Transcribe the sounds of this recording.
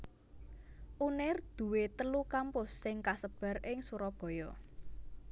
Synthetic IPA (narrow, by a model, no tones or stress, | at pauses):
ʔunɪrd̪̥ṳwet̪əlukampʊsːɪŋkasəb̥ä̤rʔɪŋsuɾɔb̥ɔ̤jɔ